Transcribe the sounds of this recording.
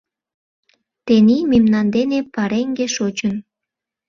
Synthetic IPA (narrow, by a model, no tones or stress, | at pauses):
t̪enimimnɑnd̪enepɑɾeŋɡeʃot͡ɕən